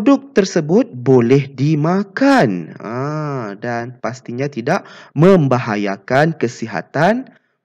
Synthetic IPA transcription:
pdʊk̚t̪ərsəbʊt̪̚bolɛhdimãkanədanpast̪iɲãt̪idaʔmə̃mbaɦaja̰kankəsiɦa̰t̪an

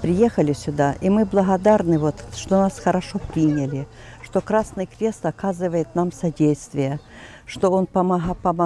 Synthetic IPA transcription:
pɾʲɪjexəlʲɪsʲʊd̪aʔimɨblˠɐɦɐd̪arnɨvot̪ʂt̪onasxɐɾɐʂopɾʲinʲɪlʲɪ | ʂt̪okɾasnɨjkɾʲest̪ɐkazɨvəjɪt̪namsɐdʲejst̪vʲɪjə | ʂt̪oonpɐmɐɦpɐmɐ

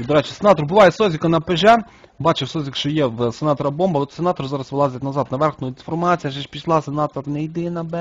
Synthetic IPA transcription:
d̪ɔɾɛt͡ʃɪ̥senɑt̪ɔrbʊʋɑjɛsɔzʲikɐnɐpeʒɛ | bɑt͡ʃɪwsɔzʲikʃt͡ʃɔjɛwsenɑt̪ɔɾɐbɔmbɐɔt̪senɑt̪ɔrzɑɾɐsʋelˠɑzʲet̪nɐzɑd̪nɐʋɛrxnʊjʊd̪ʲinfɔrmɑt͡sʲijɐʒɛʃpʲiʃlˠɑsenɑt̪ɔɾnejid̪ɪnɐbɛ

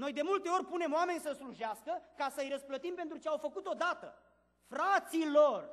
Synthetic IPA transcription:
no̞jd̪e̞mult̪e̞o̞rʲpune̞moame̞nʲsəsluʒaskəkasəjɾəsplət̪impe̞nt̪ɾut͡ʃeawfəkut̪o̞d̪at̪ə̰ | fɾat̪silor

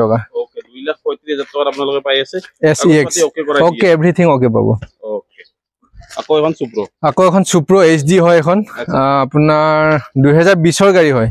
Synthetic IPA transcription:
ɔkaokedujlakpɔjtitizat̚tɔkatapunalʊkɛpajasɛɛsiɛksokekɔokeebɹitʰiŋɔkepa̰bɔ̰oke | akoɛkʰɔnsupɹɔakoɛkʰɔnsupɹɔes̬diɦɔjɛkʰɔnapunaɹdujɦɛzaɹbisɔɹɡaɹiɦɔj

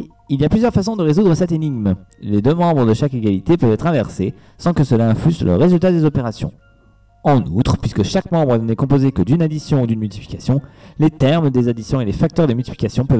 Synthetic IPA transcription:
iljaplyzjœʁfasɔ̃d̪əʁezud̪ʁəsɛt̪eniɡm | led̪ømɑ̃bʁəd̪əʃakeɡʲalit̪epœvɛt̪χɛ̃vɛʁse | sɑ̃kəsəlaɛ̃flyzlə̰ʁezylt̪ad̪ezɔpeʁasjɔ̰̃ | ɑ̃nṵt̪χpɥiskəʃakmɑ̃bʁənɛkɔ̃pozekəd̪ynad̪isjɔ̃ud̪ynmylt̪i̥pli̥kʲasjɔ̃let̪ɛʁmd̪ezad̪isjɔ̃elefak̚t̪œʁd̪əmylt̪i̥pli̥kʲasjɔ̃pœv

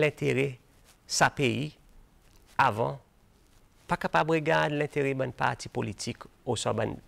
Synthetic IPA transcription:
lɛ̃t̪eʁɛ | sapei | avɑ̰̃ | pakapabʁəɡad̪lɛ̃t̪eʁebãnpa̰ʁti̥politʰikosãbã̰n

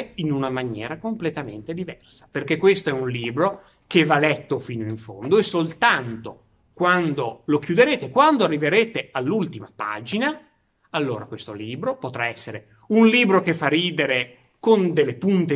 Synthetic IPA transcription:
inunamanjɛ̰ːɾakomplet̪ament̪ed̪ivɛrsḁperkekːwest̪oɛunliːbɾo | kevalɛt̪ːofiːnoiɱfo̰nd̪oesolt̪ant̪o | kwand̪olok̟jud̪eɾeːt̪ekwand̪oarːiveɾeːt̪ealːult̪imapa̰ːd͡ʒina | alːo̰ːɾakwest̪oliːbɾopot̪ɾaɛsːeɾe | unliːbɾokefːariːd̪eɾe | kond̪elːepunt̪e

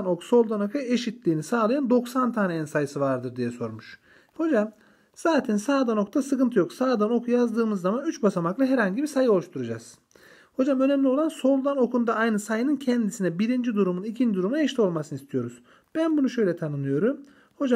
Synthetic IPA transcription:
no̞kso̞lˠd̪anokʰae̞ʃit̪lʲiːnisaːlˠajand̪o̞ksant̪ʰaːneinsajɯsɯvaɾd̪ɯɾd̪ijɛso̞ɾmuʃ | ho̞d͡ʒam | z̥aːt̪ʰɛnsaːd̪ano̞k̚t̪asɯkɯnt̪ʰɯjo̞ksaːd̪ano̞kʰujazd̪ɯːmɯzːamanyt͡ʃbasamaklˠaɦɛɾhaɲɟibisajɯo̞lˠuʃt̪ʰuɾud͡ʒaz̥ | ho̞d͡ʒamø̞nɛmlʲio̞lˠanso̞lˠd̪ano̞kʰund̪aajnɯsajɯnɯncʰɛnd̪isinɛbiɾind͡ʒid̪uɾumunicʰind͡ʒid̪uɾumuɛʃt̪ʰʲio̞lˠmasɯnɯist̪ʰijo̞ɾuz̥ | b̥ænbunuʃø̞jlʲɛt̪ʰanɯnlˠɯjo̞ɾum | ho̞d͡ʒa

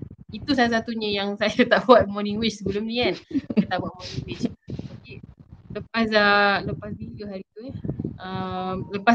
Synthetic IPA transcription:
it̪usalas̬at̪uɲə̃jaŋsajat̪aʔbuat̪̚mɔniŋwit͡ʃsəbəlʊmnĩkankat̪aʔbuat̪̚mɔniŋwit͡ʃdapiləpasələpasbilioɦaɾit̪uɛʔəmləpa

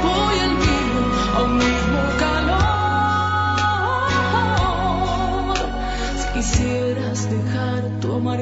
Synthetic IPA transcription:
bojelmino | a̰wmimokalo | si̥kisjeɾasd̪exaɾt̪uamaɾ

